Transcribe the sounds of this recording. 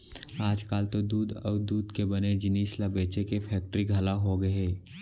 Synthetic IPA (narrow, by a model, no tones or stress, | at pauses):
aːd͡ʒkaːlt̪od̪uːd̪ɔːd̪uːd̪kebɐned͡ʒɪniːslabeːt͡ʃekepʰɛːk̚ʈɾiɡʱɐlaɦoɡɐeː